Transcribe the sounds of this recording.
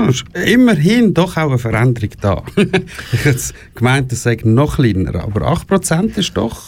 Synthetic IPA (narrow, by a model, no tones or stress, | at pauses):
ɪʃɪməɾɦindɔχaʊəfəɾɛndəɾɪɡd̥ɑ̰ː | ɛs | kmaɪntəssɛɪɡnɔχlinə̰ɾɑ̰ːbəɾɑ̰χt̚pɾɔt͡sɛntɪʃd̥ɔ̰χ